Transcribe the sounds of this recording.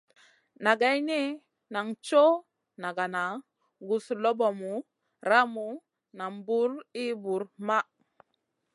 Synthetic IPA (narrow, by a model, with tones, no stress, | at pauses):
na˨ɡa˦jni˦ | na˨ŋt͡ʃo˦ | na˨ɡa˨na˨ | ɡu˨slo˦bo˨mu˨˦ | ɾa˦mu˨ | na˨mbu˦ɾi˦bu˨ɾma˦